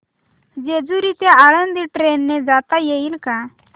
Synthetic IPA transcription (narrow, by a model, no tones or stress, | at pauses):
d͡ʑed͡zuɾit̪eaɭənd̪iʈɾenːed͡zat̪ajeilka